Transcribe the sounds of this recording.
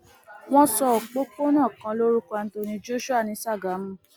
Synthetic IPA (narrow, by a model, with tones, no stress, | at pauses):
w̃ɔ̃˦sɔ˧˨k͡po˦ko˦nã˦˨kã˧lo˦ɾu˦ka˧ñ̩˦to˧nĩ˧d͡ʒo˦ʃu˦a˦˨nĩ˨˦sa˦˨ɡa˨˦mũ˦